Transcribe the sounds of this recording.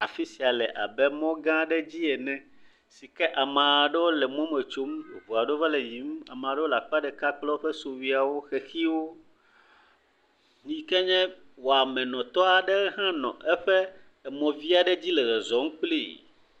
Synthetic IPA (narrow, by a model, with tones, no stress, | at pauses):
a˨fi˦si˨a˨lɛ˨ʔa̰˨bɛ˦mɔ̃˦ɡã˦ɖɛ˦d͡ʑi˦ɛ˨nɛ̃˦ | si˨kɛ˦ʔa˨mã˨ɖɛ˦wo˦lɛ˨mɔ̃˦mɛ˨t͡ʃo˦m˨vo˨a˨ɖo˦va˦lɛ˨ɲĩ˨˦m˦a̰˨mã˨ɖɛ˦wo˦la˨k͡pa˦ɖɛ˨ka˦k͡plɔ˦ɸɛ˦so˨wi˨a˨wo˦xɛ˨xi˦wo˦ | ɲĩ˦kɛ˦ɲɛ̃˦ | wo˨a˨mɛ̃˨nɔ̃˨t̪ɔ˦a˨ɖɛ˦ɣɛ˦ɦã˦nɔ̰̃˨ʔɛ˦ɸɛ˦ | ɛ˨mɔ̃˨vi˦a˨ɖɛ˦d͡ʑi˦lɛ˨ɣɛ˨zɔ˨˦mũ˦k͡pli˦˨